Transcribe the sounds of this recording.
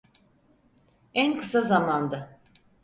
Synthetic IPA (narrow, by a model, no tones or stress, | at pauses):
ænkʰɯ̥sazamand̪a